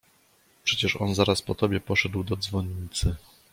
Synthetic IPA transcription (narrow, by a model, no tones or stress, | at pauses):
pʂɛt͡ɕɛʂɔ̰nzaɾaspɔt̪ɔbʲjɛpɔʂɛd̪wd̪ɔd̪zvɔɲɲːit̪sɘ